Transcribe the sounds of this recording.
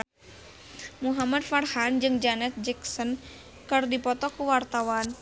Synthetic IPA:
muɦamad̪̚farhand͡ʒɨŋd͡ʒanɛt̪̚d͡ʒɛksɔn | kɨrdipɔt̪ɔkuwart̪awan

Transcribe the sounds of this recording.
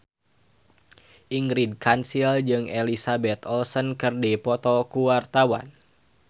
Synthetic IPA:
ʔiŋɾid̚kansild͡ʒɨŋɛlisabɛt̪ɔlsənkərdipɔt̪ɔkuwart̪awa̰n

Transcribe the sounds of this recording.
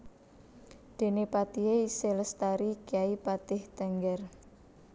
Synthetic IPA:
d̪̥e̤nepat̪ieiseləst̪aɾikiaipat̪ɪht̪ɛŋɡɛr

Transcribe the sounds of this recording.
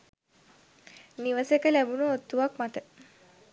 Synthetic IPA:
niʋəsekəlæbunəot̪ːuʋakmat̪ə

